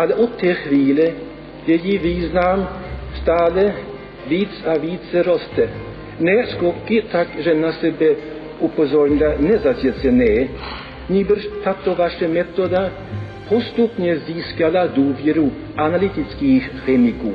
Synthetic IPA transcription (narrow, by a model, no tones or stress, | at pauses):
ʔalɛʔɔt̪ʰːɛːxʋiːlɛ | jɛjiviːznamst̪aːlɛ | viːt͡saviːt͡sɛɾost̪ɛ | nɛskokit̪akʒɛnasɛbɛ | upozoɾɲlanɛzazjɛt͡sɛnɛː | ɲiːbrʃt̪at̪ovaʃɛmɛt̪od̪a | pʰost̪upɲɛziːskalad̪uːvjɛɾu | ʔanalit̪ɪt͡skiːxxɛmikuː